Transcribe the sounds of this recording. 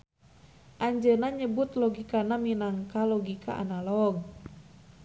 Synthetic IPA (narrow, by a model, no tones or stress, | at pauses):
ʔaɲd͡ʒənaɲəbut̪lɔɡikanaminaŋkalɔɡika̰ʔa̰nalɔɡ̚